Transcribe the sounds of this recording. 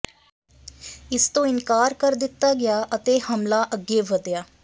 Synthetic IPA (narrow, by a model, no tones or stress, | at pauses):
ɪst̪õːɪnkaːɾkəɾd̪ɪt̪ːaːɡɪjaːʔət̪eːhəmlaːʔəɡːeːʋəd̪jaː